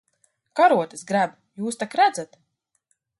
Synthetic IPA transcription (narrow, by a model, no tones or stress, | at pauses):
kaɾuɔt̪ɨsɡɾæb | juːst̪akɾæd̪zat̪